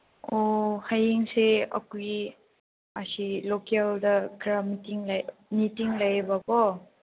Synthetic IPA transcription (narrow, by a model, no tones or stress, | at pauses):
ohajiŋseɐ̰kui | asilokaldɐɡɾamitiŋlajnitiŋlajbabɔ